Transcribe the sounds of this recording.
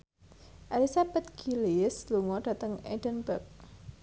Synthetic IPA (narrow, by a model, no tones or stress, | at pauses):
ʔalisab̥at̪̚ɡ̥ilɪsluŋɔɖ̥a̤t̪əŋedənbək̚